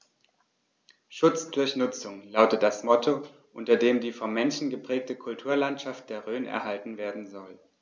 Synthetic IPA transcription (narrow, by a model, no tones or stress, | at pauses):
ʃʊt͡sd̥ʊɐçnʊt͡sʊŋlaʊtət̚d̥asmɔtʰo | ʔʊntɐdeːmdiːfɔmmːɛnʃn̩ɡəpʁ̥ɛːk̚təkʰʊltʰuːɐlantʃaft̚d̥eːɐʁøːnʔɛ̰ɐhaltn̩veːɐdn̩zɔl